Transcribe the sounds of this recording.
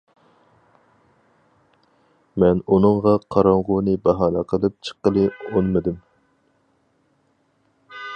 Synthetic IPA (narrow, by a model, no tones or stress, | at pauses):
mɛnunɨŋʁɑqʰɑɾɑɴʁʊnɨbɑɦɑːlɛqʰəlˠɨp̚t͡ʃʰə̥qːəlˠɨonmɨd̪ɨm